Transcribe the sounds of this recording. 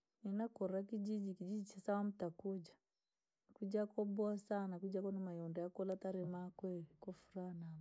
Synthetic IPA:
nɛnakɔɾakid͡ʒid͡ʒikid͡ʒid͡ʒit͡ʃasawam̩takud͡ʒa | kud͡ʒakɔbɔasanakud͡ʒakɔnamajɔndɛakɔlataɾɛmakwɛkɔfuɾanam

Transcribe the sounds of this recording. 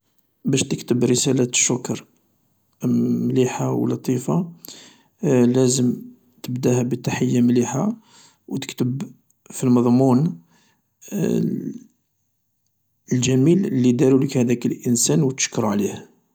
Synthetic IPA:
bæʃt̪əkt̪əbɾəsælæʃːʊkɑɾˤ | mliħawlɑt̪ˤifa | læzəm | t̪əbd̪æhæbət̪aħəjːamliħa | wt̪ə̥kt̪əb | filmɑd̪ˤmun | əlʒæmiləlːid̪æɾuləkhæd̪ækəlʔənsænwət̪ə̥ʃkːɾˤʕlih

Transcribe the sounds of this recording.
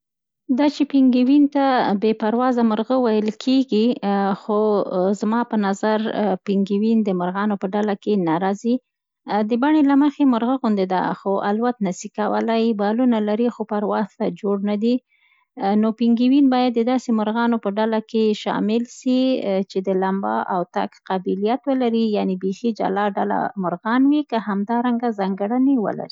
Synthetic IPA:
d̪ɑt͡ʃepiŋɡiwint̪abepaɾwɑzamʊɾɣəwajəlkʰeɡixozmɑpənazaɾpiŋɡiwind̪əmʊɾɣɑnopəɖalakenaɾɑzi | d̪əbaɳelaməxemʊɾɣəɣʊnd̪ed̪a̰xoʔalwat̪nasikawə̰lajbalunalaɾixopaɾwɑzt̪ad͡ʒoɽnad̪i | nopiŋɡiwinbɑjad̪ːəd̪ɑsemʊɾɣɑnopəɖalakeʃɑ̰mɪlʃit͡ʃed̪əlambɑ̰ʔawt̪a̰kqabilijat̪wəlaɾijanebexid͡ʒa̰lɑɖala̰mʊɾɣɑnwikəhamd̪ɑɾaŋɡazɑŋɡaɽanewə̰la̰ɾi

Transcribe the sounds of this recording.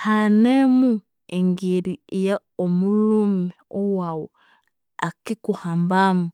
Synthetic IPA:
hanemu | eŋɡeɾiejaomulumeowaːwo̰ | akikuhaːmbamu

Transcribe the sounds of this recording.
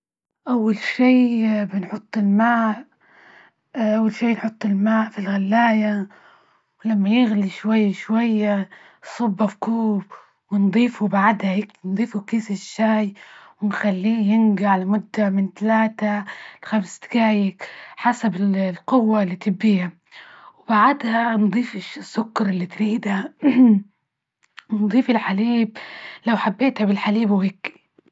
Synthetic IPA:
ʔawːalʃiːbɪnħʊt̪ˤːɪlmaːʔ | ʔawːalʃiːnħʊt̪ˤːɪlmaːʔfilɣalːaːja | wlamːajɪɣliʃwajːaʃwajːa | sˤɑbːafkuːb | wɪnd̪ˤiːfubaʕd̪hajɪknd̪ˤiːfukiːsɪʃːaːjwɪnxalːiːjɪnɡaʕlamʊd̪ːamɪnt̪alaːt̪alxamst̪ɪ̥ɡaːjɪkħasabɪlqʊwːalːiːt̪ɪbːiːha | wɪbaʕad̪hand̪ˤiːfɪʃɪsːʊkːɑɾˤɪlːit̪ɾiːd̪ha | wnd̪ˤiːfɪlħaliːb̚lawħabːeːt̪habɪlħaliːbwhɪkːi̥

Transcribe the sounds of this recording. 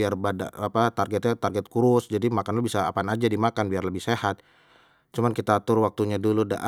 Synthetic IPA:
iarbada̰apat̪arɡɛt̪̚ɲat̪arɡɛt̪̚kuɾʊsd͡ʒadimakanlabisa̰ːpanad͡ʒadimakanbiarləbɪhsehat̪̚ | t͡ʃumankit̪aːt̪ʊrwak̚t̪uɲaduluda̰ʔa

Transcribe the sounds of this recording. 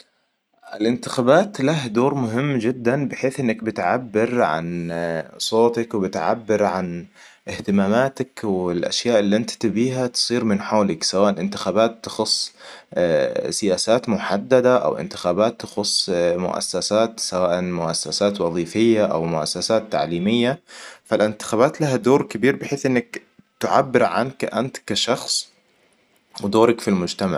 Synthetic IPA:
ʔɪ̰lʔɪnt̪ɪxaːbaːt̪lahd̪oːɾmʊɦɪmːd͡ʒɪd̪ːanbɪħeːθʔɪnːak̚bɪt̪ʕabːɪɾʕa̰n | sˤoːt̪akwbɪt̪ʕa̰bːɪɾʕan | ʔɪht̪ɪmaːmaːt̪akwɪlʔa̰ʃjaːʔɪlːiʔant̪t̪ɪbiːɦat̪ɨ̥sˤiːɾmɪnħoːlɪksawaːʔalʔɪnt̪ɪ̥xaːbaːt̪ːɑ̥xʊsˤː | sɪjaːsaːt̪mʊħad̪ːad̪aʔa̰wʔɪ̰nt̪ɪ̥xaːbaːt̪ːɑ̥xʊsˤːmʊ̰ʔa̰sːasaːt̪sawaːʔamʊʔa̰sːasaːt̪wɑðˤiːfɪjːaʔa̰wmʊʔa̰sːasaːt̪ːa̰ʕliːmɪjːafalʔɪnt̪ɪ̥xaːbaːt̪laɦad̪oːɾkabiːɾbɪħeːθʔɪnːak | t̪ɪʕa̰bːɪɾʕa̰nkʔa̰nt̪kːaʃɑxsˤ | wɪd̪oːɾakfilmʊd͡ʒt̪ama̰ʕ

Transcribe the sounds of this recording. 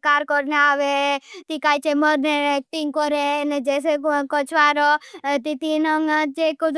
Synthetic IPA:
kaːɾkɔɾneaːʋet̪ikaːit͡ʃeməɾneɛk̚ʈiŋɡkɔɾened͡ʒeːs̬ekɔt͡ʃʰʋaɾot̪it̪inəŋt͡ʃekud̪

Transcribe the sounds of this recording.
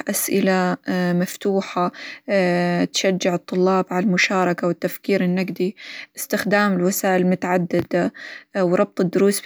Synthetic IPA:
ʔasʔɪlamaft̪uːħa | t̪ʃad͡ʒːɪʕɨt̪ˤːʊlːɑːbʕalalmʊʃɑːɾˤɑkawɪt̪ːafkiːɾɪnːaɡd̪iʔɪst̪ɪxd̪aːmɪlwasaːʔɪlmʊt̪aʕad̪ːɪd̪awɾˤɑb̚t̪ˤɨd̪ːʊɾuːs

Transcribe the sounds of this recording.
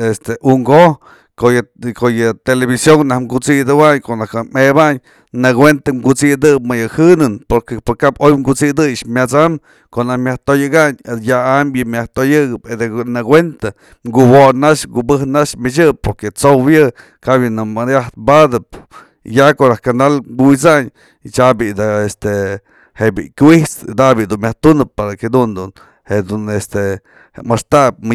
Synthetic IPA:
est̪eʔuŋɡo | kojkojɨt̪eleβisjoŋnahɡut͡sid̪ɨwaɲkoʔnahkɨmebaɲ | nɨɡwent̪aŋɡut͡sid̪ɨp̚mɨjɨhɨnɨnpoɾkepoɾkabojŋɡut͡sid̪ɨjʂmʲjat͡sam | koʔnahmʲaht̪ojɨɡaɲjaamjɨmʲjaht̪ojɨɡɨped̪enɨɡwent̪a | ŋɡuwonaʃɡubɨhnaʂmɨt͡ʃɨp̚poɾket͡sowjɨ | kabjɨnɨmadjaht̪bad̪ɨp̚ | jakoɾahkand̪alɡuwit͡saɲ | t͡ʃabid̪aest̪e | hebḭkʲiht͡sd̪abjid̪unmʲaht̪unɨppaɾaked̪und̪un | hed̪unest̪e | mast̪ap̚m

